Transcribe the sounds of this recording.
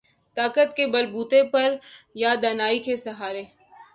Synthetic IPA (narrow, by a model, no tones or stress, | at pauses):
t̪aːkət̪kebɐlbuːt̪epɐɾjad̪ɐnaːikesɐɦaːɾeː